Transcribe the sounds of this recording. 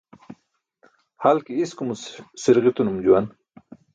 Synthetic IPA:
halkiiskumusiɾɣit̪unumd͡ʑuwan

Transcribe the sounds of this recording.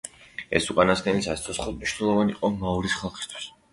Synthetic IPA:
ɛ̰suqʼanasɡɛnisast̪ʰɔsχud̪mniʃnɛlˠɔvanḭqʼɔmauɾisχalˠχi̥st̪ʰwi̥s

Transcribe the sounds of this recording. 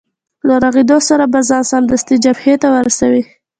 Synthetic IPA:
laɾaɣed̪osaɾabazɑnsɑnd̪ast̪id͡ʒabhet̪awəɾasawi

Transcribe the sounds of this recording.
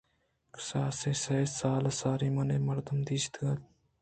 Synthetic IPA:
ksaːseːsɐsaːlɐsaːɾiːmɐneːmɐɾd̪əmd̪iːst̪ʰɡɐt̪

